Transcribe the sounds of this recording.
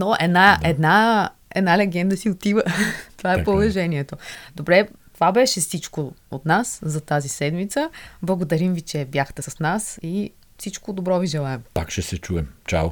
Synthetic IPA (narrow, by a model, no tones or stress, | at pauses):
noʔɛd̪naɛd̪na | ɛ̰d̪nalɛɡɛnd̪əsiot̪ivət̪ovaɛpovɛʒɛniɛt̪od̪obɾɛt̪ovabɛʃɛfsit͡ʃkoot̪naszɐt̪azisɛd̪mit̪səblˠɐɡod̪ɐɾimvit͡ʃɛbjaxt̪ɛsɐsnasi | fsit͡ʃkod̪obɾɔviʒɛlˠaɛmpakʃɛsɛt͡ʃuɛmt͡ʃa̰w